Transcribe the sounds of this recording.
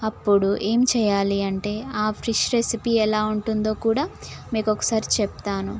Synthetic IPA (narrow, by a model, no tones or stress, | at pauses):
ɐpːuɽuʔe̞ːmit͡ʃɛːjaːliɐɳʈe̞ːaːpʰɾiʂɾesipiːɛlaːuɳʈund̪o̞ːkuːɽaːmiːkɔkɐ̥saːɾit͡ʃɛpt̪aːnu